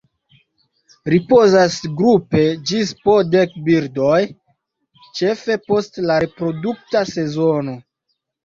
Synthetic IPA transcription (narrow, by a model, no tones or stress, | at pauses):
ɾipo̞zasɡɾupe̞d͡ʒispode̞kbiɾdoj | t͡ʃe̞fe̞po̞stlaɾe̞pɾo̞duk̚tase̞zo̞no̞